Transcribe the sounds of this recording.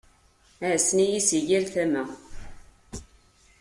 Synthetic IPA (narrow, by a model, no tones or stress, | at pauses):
æsnijisiʝiɾθæmæ